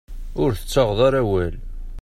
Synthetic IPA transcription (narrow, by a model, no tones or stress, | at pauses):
ʊɾθə̥t͡sːɑʁðˤɑɾæwæl